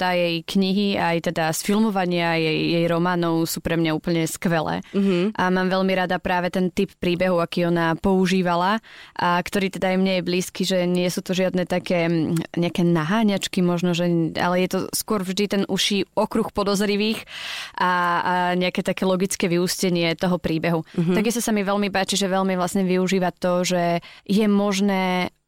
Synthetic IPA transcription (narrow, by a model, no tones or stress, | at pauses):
t̪ajɛjkɲiɦiajt̪ɛd̪asfilmɔʋaɲɪajɛjjɛjɾɔmaːnɔʊsuːpɾɛmɲauːpl̩ɲɛskʋɛlɛ̰ːɦʔamaːmʋɛʎmiɾad̪apɾaːʋɛt̪ɛnt̪ippɾiːbɛɦuakiːɔnapɔuʒiːʋalaʔakt̪ɔɾiːt̪ɛd̪aːjmɲɛjɛbliːskiʒɛɲɪɛsuːt̪ɔʒɪad̪nɛt̪akɛːɲɛakɛːnaɦaːɲat͡ʃkimɔʒnɔʒɛa̰lɛjɛt̪ɔskʊɔɾvʒd̪it̪ɛnuʃiːɔkɾuxpɔd̪ɔzɾiʋiːxʔaɲɛakɛːt̪akɛːlɔɡit͡skɛːʋiuscɛɲɪɛt̪ɔɦɔpɾiːbɛɦut̪aɡist̪ɔsamiʋɛlmipaːt͡ʃiʒɛʋɛʎmiʋlasɲɛʋiuʒiːʋat̪ɔʒɛjɛmɔʒnɛː